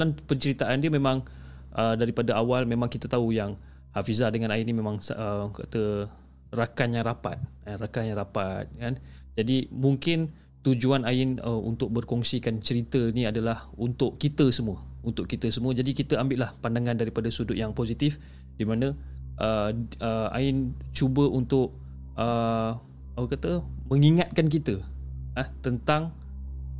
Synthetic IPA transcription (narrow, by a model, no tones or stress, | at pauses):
lanpəɲt͡ʃəɾit̪aʔandiəmẽmãŋ | ʔədaɾipadaawalmẽmãŋkit̪ət̪aujaŋ | hafizadəŋãnaɪnimẽmãŋsəka̰t̪ə | rakanjaŋɾapa̰t̪̚ | anrakanjaŋɾapat̪̚kan | d͡ʒadimuŋkɪn | t̪ud͡ʒuanaɪnəṵnt̪ʊk̚bərkɔŋsikant͡ʃəɾit̪əniadalahunt̪ʊʔkit̪əsəmuəunt̪ʊʔkit̪əsəmuəd͡ʒadikit̪əambɪʔlahpandaŋandaɾipadasudʊʔ̪̚jaŋposit̪if | dimanə̃ʔəəa̰ɪnt͡ʃubəʔunt̪ʊʔ̚ | ə | apəkat̪əmə̃ŋiŋat̪̚kank̬it̪əəht̪ənt̪aŋ